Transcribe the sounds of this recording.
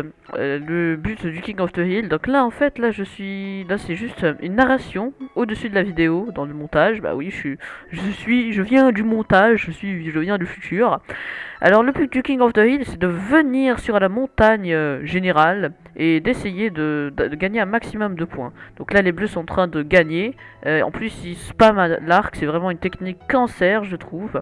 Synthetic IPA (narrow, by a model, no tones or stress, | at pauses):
ø̰ləbyt̪d̪ykʲĩŋɡɔfd̪əɦild̪ɔ̃klaɑ̃fɛt̪laʒəsɥilasɛʒyst̪ynːaʁasjɔ̃od̪əsyd̪əlavid̪eod̪ɑ̃ləmɔ̃t̪aʒba̰wiʃiʒəsɥiʒəvjɛ̃d̪ymɔ̃t̪aʒʒəsɥiʒəvjɛ̃d̪yfyt̪ʰyːʁa̰lɔʁləplyk̚d̪ykʲĩŋɡɔfd̪əilsɛd̪əvəniʁsyʁlamɔ̃t̪aɲøʒeneʁaled̪esejed̪əd̪d̪əɡaɲeɛ̃maksimɔmd̪əpwɛ̃d̪̥ɔ̃klalebløsɔ̃ɑ̃t̪χɛ̃d̪əɡaɲeøɑ̰̃plysːilspamalaʁksɛvʁɛmɑ̃ynt̪ɛknikːɑ̃sɛʁʒət̪χuv